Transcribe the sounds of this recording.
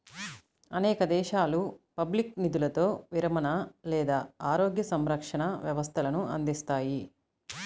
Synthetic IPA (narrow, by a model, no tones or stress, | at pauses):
ɐnɛːkɐd̪ɛːʃaːlupɐbliknid̪ulɐt̪o̞ːʋiɾɐmɐnɐlɛːd̪aːaːɾoːɡjɐsɐmɾɐkʂɐɳɐʋjɐʋɐst̪ʰɐlɐnuɐ̰nd̪ist̪aːji